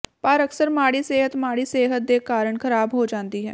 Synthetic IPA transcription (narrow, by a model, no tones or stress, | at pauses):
paːɾəksəɾmaːɽiːseːɦət̪maːɽiːseːɦət̪̚d̪eːkaːɾəɳkʰəɾaːbɦoːd͡ʒãːnd̪iːɦɛ̰ː